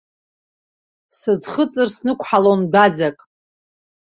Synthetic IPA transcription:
sɨd͡zχət͡sʼɨrsnɨkʷʰħalonbad͡zakʼ

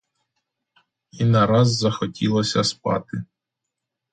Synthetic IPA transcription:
inɐɾɑzːɐxɔtʲʰilˠɔsʲɐspɑ̰t̪ɪ

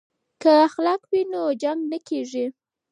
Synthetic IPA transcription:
kaxlɑkwinod͡ʒaŋɡnakeʐi

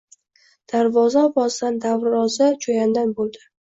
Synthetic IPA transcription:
d̪̥aɾvɒzabɒzd̪and̪avɾɒzat͡ʃʰojand̪anbolˠd̪ɪ

